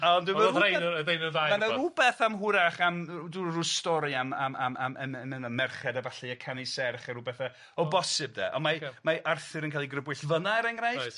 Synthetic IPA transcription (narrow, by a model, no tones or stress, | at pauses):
andɪməejðejnəðamanarubɛθamɦʊɾaχamdurustɔɾɨamama̰ma̰mɛɛmɪnɔmɛrχɛdavaɬiakʰanisɛrχaɾubɛθa | ɔbɔsɪb̚ðɛ̰ʔɔnmamaʔarθɨɾənkaːlˠiɡrəbwɨɬvənaɛɾɛŋraj